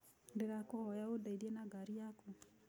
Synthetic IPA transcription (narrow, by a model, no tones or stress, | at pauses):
ndeɣakohɔjaodaiɾjenaɡaɾiaku